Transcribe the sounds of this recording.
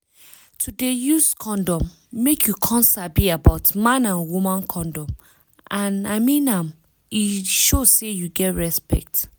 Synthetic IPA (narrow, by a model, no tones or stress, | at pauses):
tʰudejuskʰɔ̃ndɔ̃mː | ekʰjukʰɔ̃nsabiabaʊtmãnãnwumãnkʰɔ̃ndɔ̃m | ʔãna̰mĩnãm | iʃozsejuɡɛtɹɛspɛ̰k̚t